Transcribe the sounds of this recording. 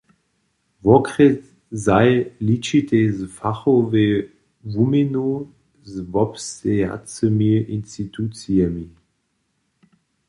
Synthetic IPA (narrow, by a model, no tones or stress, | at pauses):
vɔkʁɛt | zaɪlit͡ʃitezfaχove | vumeno | zvɔpsea̰t͡səmiəʔinstitʰut͡siɛmi